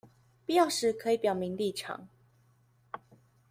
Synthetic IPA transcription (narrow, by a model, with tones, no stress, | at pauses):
pi˥˧jɑ˥˨ʊʂɻ̩˥˩kʰɤ˧˦i˨˩˦pjɑ˨˩ʊmi˨˦ŋli˥˨ʈ͡ʂʰɑ̰˨˩˦ŋ